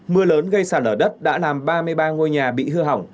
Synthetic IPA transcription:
mɨ˧ələː˨˦nɣə˧jsaː˧˩nʔəː˧˩ɗə˦˥t̚ɗa̰ː˧˥laː˨˩mɓaː˧mɨ˧əjɓaː˧ŋo˧jɲaː˨˩ɓḭ˧˨hɨ˧əɦa˨˩wŋ͡m

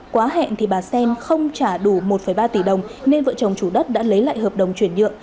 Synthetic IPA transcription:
kwaː˨˦ɦɛ̰˧˨nt̪ʰi˨˩ɓaː˨˩sɛ˧nxə˧wŋ͡mt͡ɕaː˧˩ɗu˧˩mo˨˩t̚fə˧˩jɓaː˧t̪i˧˩ɗə˨˩wŋ͡mne˧nvə̰ː˧˨t͡ɕə˨˩wŋ͡mt͡ɕu˧˩ɗə˦˥t̚ɗa̰ː˧˥lə˨˦jla̰ː˧˨jhəː˨˩p̚ɗə˨˩wŋ͡mt͡ɕwi˧˩ənɲɨ̰˧˨əŋ

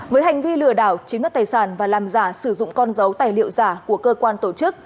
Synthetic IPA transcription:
vəː˨˦jɦa˨˩jŋ̟vi˧lɨ˧˩əɗaː˧˩wt͡ɕi˨˦m˦˥t̚t̪aː˨˩jsaː˧˩nvaː˨˩laː˨˩mzaː˧˩sɨ˧˩zʊ̰˧˨ŋ͡mkɔ˧nzə˨˦wt̪aː˨˩jlḭ˧˨əwzaː˧˩ku˧˩əkəː˧kwaː˧nt̪o˧˩t͡ɕɨ˦˥k̚

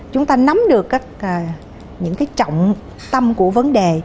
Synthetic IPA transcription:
t͡ɕʊ˨˦ŋ͡mt̪aː˧na˨˦mɗɨ˨˩əkːaː˦˥k̚ː | ɲɨ̰˧˥ŋkaː˨˦jt͡ɕɔ̰˧˨wŋ͡m | t̪ə˧mku˧˩əvə˨˦nɗe˨˩

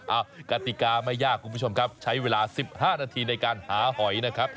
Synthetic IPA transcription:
ʔaː˧˩wka˨˧˩t̪i˨˩kaː˧ma˥˩jːaː˥˩kʰːu˧mʰu˥t͡ɕʰo˧mkʰp̚t͡ɕʰa˦˥jweː˧laː˧si˨˩p̚haː˥˩naː˧t̪ʰiː˧na˧jkaː˧nhaː˩˦hɔ˨˩˦jna˦˥kʰa˦˥p̚

